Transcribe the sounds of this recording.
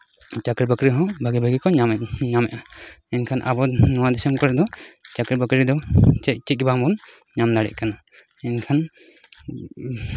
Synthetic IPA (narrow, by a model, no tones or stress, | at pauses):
t͡ʃakɾibakɾiɦɔ̃bʱaɡibʱaɡikɔɲaɲamɛʔa | ɛnkʰanʔa̰bɔnɔwad̪ɛsɔmkɔɾɛd̪ɔt͡ʃakɾibəkɾid̪ɔɛt͡ʃɛt̪̚baɦɔ̃mbɔn | ɲamd̪aɽɛ̰ʔ̚kana | ɛnkʰan